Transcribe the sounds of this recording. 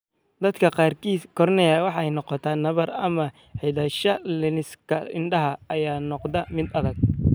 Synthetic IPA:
d̪ɐd̪kʰɐqɑːrkʰiːskʰɔɾnɛjawɑħɑɛjnɔqɔt̪ʰaːnɐβɐrɐmɐ | ħɪðɐʃɐlɪnɪskʰɐɪnɖɐɦɐɐjaːnɔqd̪ɐmɪd̪ɐðɐɡ̚

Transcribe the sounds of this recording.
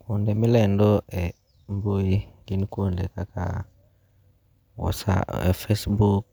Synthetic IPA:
kundɛmilɛndɔɛ | mboilinikondɛkaka̰ | wɔ̰sa̰ɛ̰fesbuk̚

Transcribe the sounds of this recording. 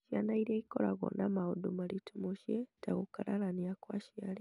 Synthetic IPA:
ʃanaiɾeikolaɣo̰namaudumalitʰumuʃjetaɣukalalaniakwaʃiali

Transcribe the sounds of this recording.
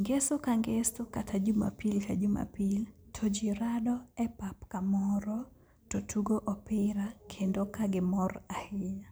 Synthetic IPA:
ŋɡesʊkaŋɡesʊkatʰad͡ʒuma̰pilkad͡ʒuma̰piltʰod͡ʒiɾadɔɛpapkamɔɾɔ | totʰuɡoʔɔpɪɾakʰendokaɡɪmɔrahɪja

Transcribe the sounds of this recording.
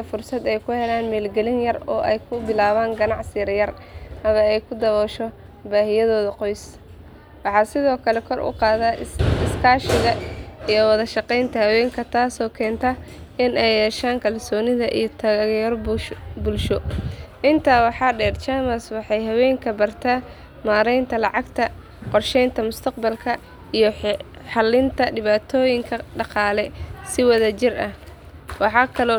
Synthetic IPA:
ɐfʊrsɐd̪ɛjkʰʊhɛlaːnmɛːlɡɛlɪnjɐrɔ̰ːʔɛjkʰʊbɪlaːβaːŋɡɐnɑʕsɪɾjɐr | hɐmɐɛjkʰʊd̪ɐβɔːʃɔ | baːhɪjɐðɔːðɐqɔjs | wɑħɑːsɪðɔːkʰɐlɛkʰɔrʔʊ̰qɑːðaɪskʰaːʃɪɣɐijɔwɑðɐʃɑqɛjnt̪ʰɐhɐwɛːŋkʰɐt̪ʰaːsɔːkʰɛːnt̪ʰɐ | ɪnɛjɛːʃaːŋkʰɐlsɔːnɪðɐʔḭjɞt̪ʰɐɣɐɣjɐrbʊlʃɔʔɪnt̪ʰaːwɑħɑːɖɛːrt͡ʃaːmɐswɑħɑjɦɐwɛːŋkʰɐbɐrt̪ʰaː | maːɾɛjnt̪ʰɐlɑʕɑɡt̪ʰɐ | qɔrʃɛjnt̪ʰɐmʊst̪ʰɐq̚bɐlkʰɐ | ijɔ | ħɑlːɪnt̪ʰɐɖɪβaːt̪ʰɔːjɪŋkʰɐɖɑqɑːlɛsɪwɑðɐt͡ʃɪrɐh | wɑħɑːkʰɐlɔː

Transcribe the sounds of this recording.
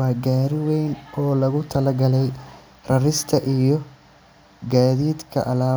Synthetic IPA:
ɑːɡaːɾɪwɛjnɔːlɐɣʊt̪ʰɐlɐɡɐlɛj | rɐrɪst̪ʰɐʔijɔ | ɡaːðiːd̪kʰɐ̰ʔɐlaː

